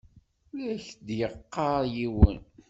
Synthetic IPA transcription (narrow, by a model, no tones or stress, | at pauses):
ʊlæçd̪jəqːɑɾˤjiwə̰n